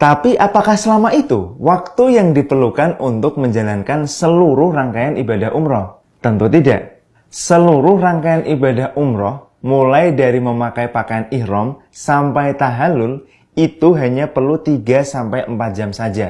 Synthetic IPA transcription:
t̪apiʔapakahsəlamaʔit̪uwak̚t̪ujaŋdipərlukanunt̪ʊk̚məɲd͡ʒalankansəluɾʊhraŋkajanibadaɦʔumɾɔh | t̪ənt̪ut̪ida̰ʔ | səluɾʊhraŋkajanʔibadaɦʔumɾɔh | mulajdaɾiməmakajpakajaniɾɔm | sampajt̪aɦalʊl | it̪uɦaɲapərlut̪iɡasampajəmpat̪̚d͡ʒamsad͡ʒa

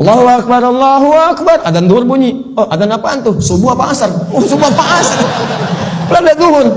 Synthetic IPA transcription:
lːaɦuak̚baɾɑlːaɦuakbarʔadand̪uʊrbuɲi | oʔadanapant̪usubuapaasarsubuapaʔasa | pəladad̪uɦʊr

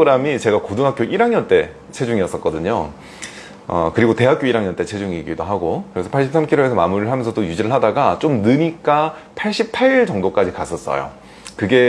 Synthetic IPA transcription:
oɡɯɾamit͡ɕe̞ɡakodɯŋɦak͈joʔiɾaŋɲʌnt͈e̞ | t͡ɕʰe̞d͡ʑuŋiʌs͈ʌt̚k͈ʌdɯɲo | ʌ̰kɯɾiɡote̞ɦak͈joiɾaŋɲʌnt͈e̞t͡ɕʰe̞d͡ʑuŋiɡidoɦaɡokɯɾe̞sʰʌpʰaɭɕ͈ʰips͈ʰamkʰiɾoesʰʌmamuɾɯɭɦamjʌnsʰʌdojud͡ʑiɾɯɭɦadaɡat͡ɕ͈omnɯɲik͈apʰaɭɕ͈ip̚pʰaɾiɭt͡ɕʌŋdok͈ad͡ʑikas͈ʰʌs͈ʌ̰jo̰ | kɯɡe̞

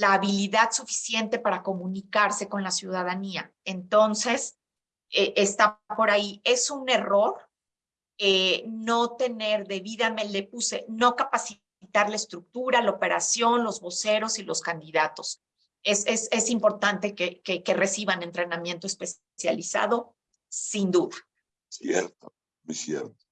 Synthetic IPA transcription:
laːβiliðaðsufi̥sje̞nt̪e̞paɾako̞mũnikaɾse̞ko̞nlasjuðað̞ania | e̞nt̪o̞nse̞s | eʔest̪apo̞ɾaie̞sune̞ro̞ɾ | eno̞t̪e̞ne̞ɾðe̞βiðamelepusḛno̞kapasi | t̪aɾlaest̪ɾuk̚t̪uɾalaope̞ɾa̰sjo̞nlo̞zβo̞se̞ɾo̞silo̞skand̪iðat̪o̞s | ese̞se̞simpo̞ɾt̪ant̪e̞kekeke̞re̞siβane̞nt̪ɾe̞namje̞nt̪oe̞spe̞s | ja̰lisa̰ðo̞ | sind̪uða | sjḛɾt̪o | mesjḛɾt̪o̥

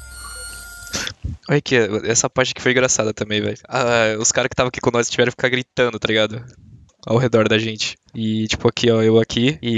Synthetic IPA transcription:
ɔʎʊkeɛsɐpaɾʒɪ̃nɐkɪ̥foj̃ŋɡɾasad̪ɐt̪ɐ̃mbẽj̃vɛ̰jaʊskaɾɐskɪ̥t̪avɐ̃akikõnɔsɪʃt͡ʃivɛɾ̃fi̥kaɾɡɾit̪ɐ̃nd̪ʊt̪aliɡad̪ʊ | a̰wɦed̪ɔɾd̪ɐʒẽnt͡ʃɪ̥ | ɪt͡ʃi̥pʊakʰiɔewakʰiɪ

